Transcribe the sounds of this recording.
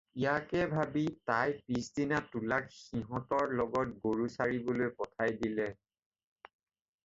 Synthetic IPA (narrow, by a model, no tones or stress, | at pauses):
ijakɛbʱabitajpisdinatulakxiɦɔ̃tɔɹlɔɡɔt̚ɡoɹusaɹibolojpɔtʰajdilɛ